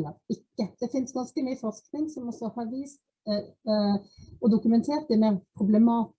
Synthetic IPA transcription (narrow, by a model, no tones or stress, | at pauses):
ləɾɪkːəd̪̥ɛfɪnsɡɑnskəmyːəfɔʁsknɪŋsɔmɔsːɔhɑɾʋiːst̪ | ɔd̪ʊkʉmɛnt̪ʰeːɾt̪̚d̪ɛmɛpʰʁʊblɛmɑːt̪